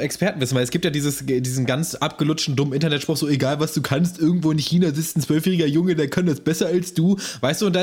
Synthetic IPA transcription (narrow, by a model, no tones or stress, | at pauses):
ɛkspɛɐtn̩vɪsn̩vaɪlɛsɡ̥iːptjaːdiːzəsdiːzn̩ɡant͡sʔapɡ̥əlʊt͡ʃtn̩dʊməmʔɪntɐnɛtʃpʁ̥ʊχxz̥oːeɡaːlvasd̥uːkʰanstʔɪɐɡŋ̩tv̥oːɪnçiːnazɪt͡stn̩t͡sv̥œlfjɛːʁɪɡɐjʊŋədeːɐkʰandasb̥ɛsɐalsd̥uːvaɪstd̥uːʊntd̥a